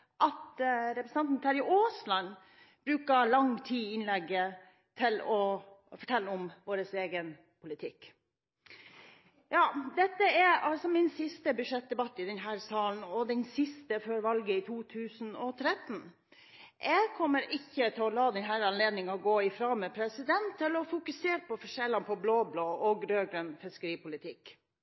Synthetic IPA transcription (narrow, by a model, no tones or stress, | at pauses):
ʔɑt̪ɾɛpɾəsn̩ɑnt̪n̩t̪ʰɑːɾɪʔoːslɑn | b̥ɾʉːkɑlɑŋt̪ʰiːɪnlɛɡːə | t̪ʰɪlɔfɔʈʰɛlːəɔmʋoːɾəseːɡən | pʰʊlɪt̪ʰɪkː | jɑːd̪ɛt̪ːəæɑlsɔmɪnsɪst̪əbʉʂɛt̪̚d̪ɛbɑt̪ːɪd̪ɛnɦæːɾsɑːln̩ɔd̪ɛnsɪst̪əføːɾʋɑlɡəɪt̪ʰuːt̪ʰʉːsn̩ɔt̪ʰɾɛt̪n̩ | ʔɛɡkʰɔmːəɾɪçːət̪ʰɪlɔlɑːd̪ɛnɦæːɾɑnleːd̪nɪŋɑɡoːɪfɾɑːmɛpʰɾɛsɪd̪ɛnt̪ʰːɪlɔfʊkʉseːɾpɔfɔʂɛlːɑnpʰɔbloːbloːʔɔɡɾøːɡɾønfɪskəɾiːpʊlɪt̪ʰɪk